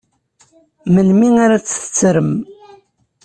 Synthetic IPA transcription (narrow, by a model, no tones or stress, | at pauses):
mənmiŋaɾat͡sːθə̥t͡sːɾəm